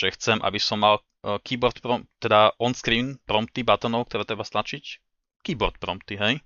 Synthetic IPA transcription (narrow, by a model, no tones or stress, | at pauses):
ʒɛxt͡sɛmʔa̰bisɔmːal | kiːbɔɾt̪pɾɔmt̪ɛd̪aʔɔnskɾiːnpɾɔmp̚t̪ibat̪ɔnɔʊk̚t̪ɔɾɛːt̪ɾɛbast̪nat͡ʃic | kiːbɔɾt̪̚pɾɔmpt̪iɦɛj